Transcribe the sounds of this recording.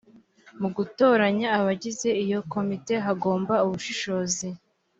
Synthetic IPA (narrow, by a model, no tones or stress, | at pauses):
muɡuto̞ːɾaɲaːβaɟize̞ijo̞ko̞mite̞ɦaɡo̞ːmbauβuʃiʃo̞ːzi